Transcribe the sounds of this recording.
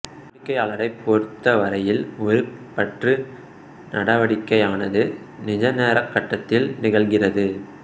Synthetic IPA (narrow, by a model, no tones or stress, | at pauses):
ɳɪkːɐɪaːɭɐɾɐɪpːoːɾt̪ːɐʋɐɾɐjɪlɔɾɯpːɐʈrɯ | nʔɐɽɐʋɐɽɪkːɐɪaːnɐðɯ | nɪd͡ʒɐneːɾɐkːɐʈːɐt̪ːɪlnɪɣɐɭɣɪrɐðɯ